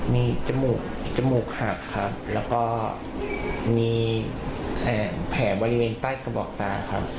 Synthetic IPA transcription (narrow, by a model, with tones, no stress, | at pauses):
miː˧t͡ɕa˧muː˨˩k̚t͡ɕa˧muː˨˩k̚ha˨˩kʰa˦˥p̚lɛː˦˥wkɔː˥˩ | miː˧ | ʔaː˨˩pʰɛː˩˦bɔː˧ɾi˦˥weː˧nt̪aː˥˩jka˧bɔː˨˩k̚t̪aː˧kʰa̰˦˥p̚